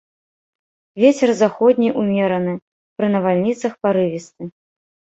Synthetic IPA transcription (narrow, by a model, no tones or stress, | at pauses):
vʲet͡sʲɛrzaxɔd̪ʲnʲiʔumʲɛɾɐnɨ | pɾɨnɐvalʲnʲit̪sɐxpaɾɨvʲist̪ɨ